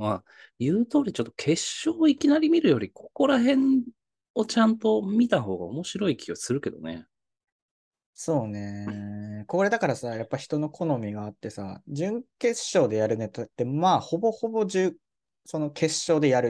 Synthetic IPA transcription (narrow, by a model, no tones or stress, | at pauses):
ma | jɯ̟ːt̪o̞ːɾʲit͡ɕo̞t̪ːokʰe̞ɕːo̞ːikʲinaɾʲimʲiɾɯ̟jo̞ɾʲikʰo̞̥ko̞ɾaɦẽ̞n | o̞t͡ɕãnt̪o̞mʲit̪aɦo̞ːɡa̰omo̞ɕiɾo̞ikʲʰiokʲsɨɾɯ̟ke̞d̪o̞̰nḛ | so̞ːne̞ | koːɾe̞d̪akaɾasajapːaçi̥t̪o̞no̞kʰo̞no̞mʲiɡaːt̪ːe̞sa̰d͡ʑɨ̃ŋke̞ɕːo̞ːd̪e̞jaɾɯ̟net̪ot̪ːe̞maːho̞bo̞ho̞bo̞d͡ʑɨ | so̞no̞kʰe̞ɕːo̞ːd̪e̞jaɾɯ